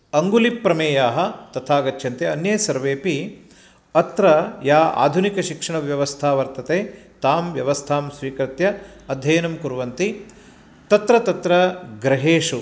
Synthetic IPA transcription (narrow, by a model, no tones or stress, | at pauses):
ɐŋɡulipɾɐmeːjaːɦɐ̆t̪ɐt̪ʰaːɡɐt͡ʃʰːjɐnt̪eɐnjɐːsɐɾʋeːpi | ɐt̪ɾɐjaːa̰ːd̪ʱunikɐʃikʂɐɳɐʋjɐʋɐst̪ʰaːʋɐɾt̪ɐt̪eːt̪aːmʋjɐʋɐst̪ʰaːmsʋiːkɾɐt̪jɐɐd̪ʱjɐːnɐmkuɾʋɐnt̪i | t̪ɐt̪ɾɐt̪ɐt̪ɾɐɡɾɐɦeːʂu